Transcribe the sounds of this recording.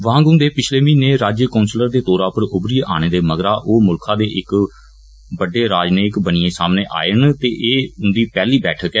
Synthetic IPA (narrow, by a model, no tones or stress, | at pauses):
ʋãːɡʊːd̪eːpɪt͡ʃʰleːʋĩːneːɾaːd͡ʒjəkɔːnsləɾd̪eːt̪oːɾaːpəɾʊbɾijʔaːɽ̃eːd̪eːməɡɾaːʔoːmʊlkʰãːd̪eːʔɪk | bəɖeːɾaːd͡ʒneːkbənɪːẽːsaːmneːʔa̰ːənt̪eːʔeːʊnd̪iːpɛːliːbɛːʈʰəkɛː